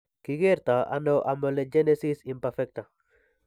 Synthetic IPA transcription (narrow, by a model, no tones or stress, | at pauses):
kiɡeɾt̪aa̰noʔamoled͡ʒenesisimpeɾfek̚t̪a